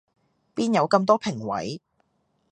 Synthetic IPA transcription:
piː˥njɐ˨˧wkɐ˧mt̪̬ɔː˥pʰɪ˨˩ŋwɐ̰˨˥j

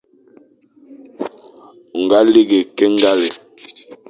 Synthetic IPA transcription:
ŋ˨ɡa˦li˦ɡe˨kɛ˦ŋ˦ɡa˦lɛ˨

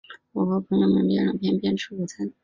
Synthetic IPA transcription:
wɔ˨˩xɤ˧˥pʰɤ˧˥ŋjo˧ʊmə̰˧˥npjɛ˥ɻɤ˨˩pjɛ˥npjɛ˥nʈ͡ʂ̩ʰ˧˥u˨˩t͡sʰa˧˥n

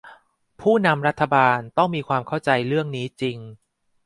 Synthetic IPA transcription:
pʰuː˥˩na˧mɾa˦˥t̪ʰːa˧baː˧nt̪ɔ˥˩ŋmiː˧kʰwaː˧mkʰa˥˩wt͡ɕa˧jɾɯ˥˩əŋniː˦˥t͡ɕi˧ŋ

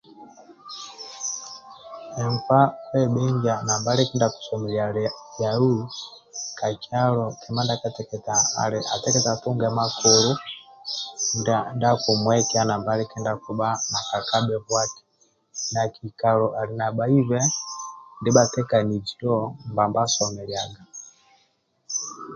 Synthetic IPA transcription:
ɛ˨ɱfa˦pɛ˦ɓɛɲd͡ʒa˨na˨mba˦lɛkɛ˦ndaku̥˨sɔ˨mɛ˨liajau˦ | ka˨t͡ʃalɔkʰɛma˦ndakatɛkɛtaa̰˨lɛʔa˨tɛkɛtatuŋɡɛ˨ma˦kɔlu˦ | ndanda˦ku˨mwɛkɛana˨mba˦lɛkɛ˦nda˨ku˨ba˦na˨ka˨ka˦ɓɛ˨βwa˦ti̥ | nakika˨lɔʔa˨li˨na˨ba˦i˦zwɛ | ndi˦ɓatɛ˦ka˨ni˨d͡ʒi˨dɔmba˨mbasɔ˨mɛljaɡa˨

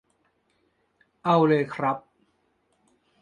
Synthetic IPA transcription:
ʔa˧wlɤː˧jkʰɾa˦˥p̚

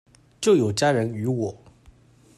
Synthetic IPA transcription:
t͡ɕjo˥˩ʊjo˨˩ʊt͡ɕja˥ɻə˧˥ny˧˥wɔ˨˩˦

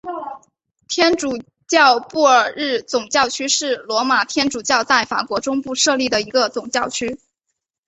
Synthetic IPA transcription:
t̪ʰjɛ˥nʈ͡ʂu˨˩ | t͡ɕjɑ˥˧ʊpu˥˩ə˞˨˩ɻɻ̩˥˩t͡sʊ˨˩ŋt͡ɕjɑ˥˧ʊt͡ɕʰy˥ʂɻ̩˥˩lwɔ˧˥ma˨˩t̪ʰjɛ˥nʈ͡ʂu˨˩t͡ɕjɑ˥˧ʊt͡sa˥˩ɪfa̰˨˩kwɔ˧˥ʈ͡ʂʊ˥ŋpu˥˧ʂɤ˥˧li˥˩d̪ə˩i˧˥ɡə˧t͡sʊ˨˩ŋt͡ɕjɑ˥˩ʊt͡ɕʰy˥

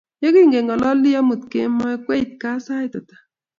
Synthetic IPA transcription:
je˦ki˦ŋɡe˨ŋɔ˨lɔ˦li˦ja˦mu˨t̚kḛ˦ma˦kwe˦i˨t̚ka˦sa˦jtɔ˨tḁ˨

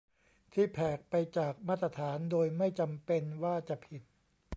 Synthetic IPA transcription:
t̪ʰiː˥˩pʰɛː˨˩k̚pa˧jt͡ɕaː˨˩k̚maː˥˩t̪ːɾa˧˥t̪ʰaː˩˦ndoː˧jma˥˩jt͡ɕa˧mpe˧nwaː˥˩t͡ɕa˨˩pʰi˨˩t̪̚

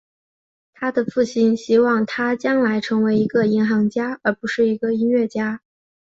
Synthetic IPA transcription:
t̪ʰa˥d̪ə˨fu˥˩ɕi˥nɕi˥wɑ˥˩ŋt̪ʰa˥t͡ɕjɑ˥ŋla˧˥ɪʈ͡ʂʰɤ˧˥ŋwe˧˥ɪi˧˥ɡə˧i˧˥ŋxɑ˧˥ŋt͡ɕja˥ə˞˧˥pu˧˥ʂɻ̩˥˩i˧˥ɡə˧i˥nɥɛ˥˩t͡ɕja˥

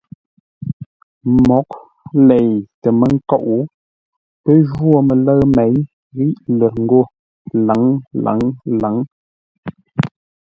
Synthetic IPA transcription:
mɔ˨˦k̚ | lɛ˨jtə˨mə˦ŋ̩˦kɔ˦˨ʔu˨˦ | pə˦ʒwo˨me˨lə˦ɣmɛ˨˦j | ɣi˦ʔlə˨ŋ̩˦ɡo˦˨ | la˨˦ŋla̰˨˦ŋla˨˦ŋ

